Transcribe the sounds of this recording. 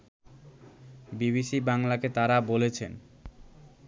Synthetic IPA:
biβiʃibaŋlaket̪aɾabolet͡ɕʰen

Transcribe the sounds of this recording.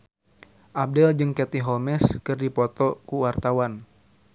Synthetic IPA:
ʔab̚dɛld͡ʒɨŋkɛt̪iɦɔmɛskɨrdipɔt̪ɔkuwart̪awan

